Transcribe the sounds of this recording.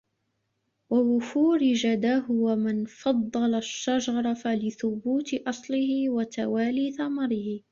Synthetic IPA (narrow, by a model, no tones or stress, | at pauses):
wawʊfuːɾɪd͡ʒad̪aːɦʊwamɪnfɑd̪ˤːɑlaʃːad͡ʒɑɾˤɑfalɪθʊbuːt̪ɪʔɑsˤlɪhɪwat̪awaːliːθamɑɾɪhɪ